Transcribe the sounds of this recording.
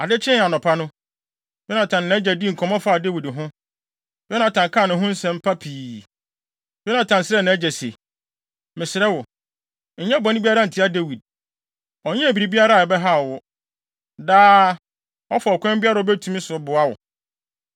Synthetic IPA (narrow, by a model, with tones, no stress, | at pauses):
a˨dɪ˦t͡ɕʰɪ̃˦˨a˨nɔ̃˨pʰa˦nʊ̃˦ | d̥ɛ˦nã˨tʰã˨nː˨ã˦d͡ʑɛ˨di˦ŋ̩˨kʰɔ̃˨mɔ̃˦faː˦˨de˦wi˨dɦʊ̥̃˦ | ɛ˦nã˨tʰã˨ŋ˨kʰã˦˨nʊ̃˨ɦʊ̃˦n̩˦sɛ̃˨m̩˦pʰa˦pʰiː˨ | d̥ɛ˦nã˨tʰã˨n˨sɪ˦ɾɛ˦nã˨æ˦d͡ʑɛ˨se˨ | mɪ̃˨sɪ˨ɾɛ˦wʊ˨ | ɲ̩˨˦ɲɛ̃˦˨bɔ̃˨nɪ̃˦bi˦a˦ɾa˦n̩˨tʰɪ˦a˦de˦wi˨d̚ | ɔ˨˦ɲɛ̃˦æ˨bi˨ɾi˨bi˦a˦ɾa˦˨ɛ˨bɛ˦ɦa˦˨wʊ˦ | daː˦ | ɔ˦fɔ˨ɔ˨kʷʰɛ̃˦mbɪ˦a˦ɾa˨ɔ˦bɛ˦tʰũ˨˦mĩ˦sʊ˨bʊ˨a˦wʊ̰˨